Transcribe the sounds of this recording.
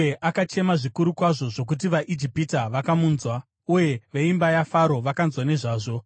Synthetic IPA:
eʔakat͡ʃe̞maʐikuɾukwaʐo̞ʐo̞k̬ut̬iʋaʔid͡ʒipitaʋakamuːnzwa | uje̞ʋeimbajafaɾo̞ʋakanzwane̞ʐaːʐo̞

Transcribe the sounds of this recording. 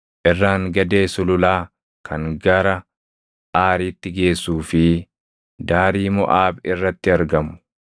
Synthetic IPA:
ʔɪrːaːŋɡɐd̪e̞ːsʊlʊlaː | kʰɐŋɡɐɾɐ | ʔaːɾiːt̪ːɪɡe̞ːsːuːfɪ | d̪aːɾiːmɔ̰ʔaːbɪrːɐt̪ːɪɐɾɡɐmʊ̥

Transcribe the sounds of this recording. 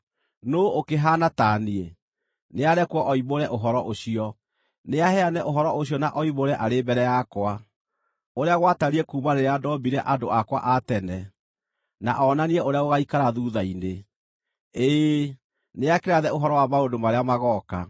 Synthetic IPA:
nookeɦanatanie | neaɾɛkwɔʔɔimoɾɛʔoɦɔɾɔʔoɕiɔ | neaɦɛanɛʔoɦɔɾɔoɕiɔnaʔɔiβoɾɛʔaɾebɛɾɛjakwa | oɾeaɣwataɾiɛkuːmaɾeɾeadɔbiɾɛʔandoʔakwa̰ʔatɛnɛ | na̰ʔɔːnaniɛoɾeaoɣaikaɾaðuːðaine | e | neakeɾaðɛoɦɔɾɔwamaondomaɾeamaɣɔka

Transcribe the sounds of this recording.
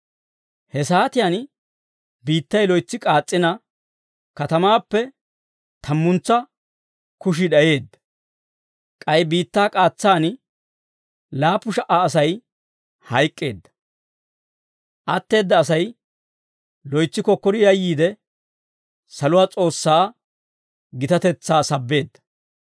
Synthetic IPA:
hɛsaːt̪ɪjan | biːt̪ːɐjlɔjt͡sːɪkʼaːt͡sʼːɪnɐ | kɐt̪ɐmaːpːɛ | t̪ʰɐmːʊnt͡sːɐ | kʊʃ̬ɪɗɐje̞ːd̪ːɐ̥ | kʼɐjbiːt̪ːaːkʼaːt͡sːaːn | laːpːʊʃɐʔaːs̬ɐj | hɐjkʼːe̞ːd̪ːɐ̥ | ʔɐt̪ːe̞ːd̪ːɐːsɐj | lɔjt͡sːɪkɔkːɔɾɪjɐjːiːd̪ɛ | sɐlʊwaːt͡sʼo̞ːsːaː | ɡɪt̪ɐt̪ɛt͡sːaːsɐbːe̞ːd̪ːɐ̥

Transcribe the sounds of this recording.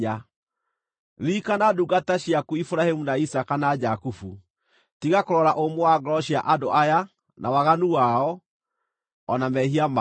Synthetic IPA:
a | ɾikanaduɡataɕiakuifuɾahemunaisakanad͡ʒakufu | tiɣakoɾɔɾaʔomowaɡɾɔɕiaʔadoʔaja | nʔawaɣanuwaɔ | ɔnamɛhiama

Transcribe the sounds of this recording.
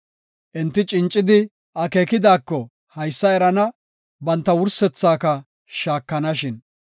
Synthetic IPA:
ʔɛnt̪ːɪt͡ʃʼɪnt͡ʃʼːɪd̪ɪ | ʔɐkeːkɪd̪aːkːɔ | hɐjsːɐɛɾɐnɐ | bɐnt̪ːɐwʊɾsɛt͡sːaːkɐ | ʃaːkːɐnɐʃɪn

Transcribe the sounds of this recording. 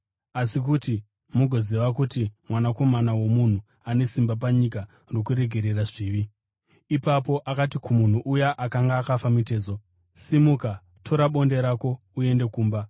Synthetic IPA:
asikuti | muɡʱo̞ziʋakutimwanako̞manawo̞mun̤u | ane̞simbap̬aɲik̬a | nrokuɾe̞ɡʱe̞ɾe̞raʐiːʋi | ipapo̞ʔakatikumun̤uʔujaʔakaŋɡaːkafamite̞ːzo̞ | simuka | tʰo̞ɾaɓo̞nde̞ɾako̞ | ue̞nde̞kuːmba

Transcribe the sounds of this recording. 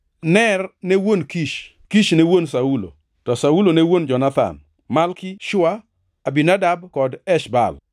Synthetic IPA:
nɛrnewonkiʃ | kiʃnewonsaulo̰ | tɔsaulonewond͡ʒɔnat̪a̰n | malkɪʃʊa | abinadabkɔdɛʃba̰l

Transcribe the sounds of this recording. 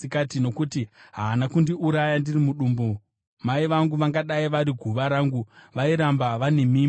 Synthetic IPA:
ikatino̞kutiɦaːnakundiʔuɾajandirimuɗuːmbo | maiʋaŋɡuʋaŋɡaɗaiʋaɾiɡʱuʋaɾaːŋɡuʋaiɾambaʋane̞miː

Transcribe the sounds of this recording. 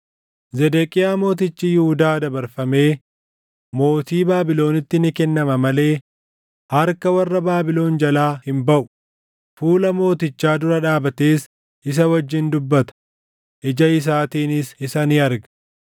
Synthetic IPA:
zɛd̪ekʼɪjaːmo̞ːt̪̬ɪt͡ʃːijɪhʊd̪aːd̪ɐbɐɾfɐme̞ː | mo̞ːt̪iːbaːbɪlo̞ːnɪt̪ːɪnɪkɛnːɐmɐmɐle̞ː | hɐɾkɐwɐrːɐbaːbɪlo̞ːnd͡ʒɐlaːhɪmbɐʔʊ̥ | fuːlɐmo̞ːt̪ɪt͡ʃːaːd̪ʊɾɐᶑaːbɐt̪eːs | ʔɪs̬ɐwɐd͡ʒːɪnd̪ʊbːɐt̪ɐ̥ | ʔɪd͡ʒɐɪs̬aːt̪iːnɪsɪsɐnɪɐɾɡɐ̥

